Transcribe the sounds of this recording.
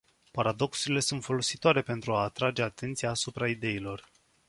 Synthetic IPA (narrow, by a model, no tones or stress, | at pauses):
paɾad̪o̞ksuɾile̞sunt̪fo̞lo̞sit̪oaɾe̞pe̞nt̪ɾuaːt̪ɾad͡ʒe̞at̪ʰe̞nt̪sijaːsupɾaid̪e̞ilo̞r